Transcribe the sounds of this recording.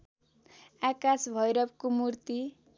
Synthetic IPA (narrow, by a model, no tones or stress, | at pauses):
akasbʱʌjɾʌp̚komurt̪i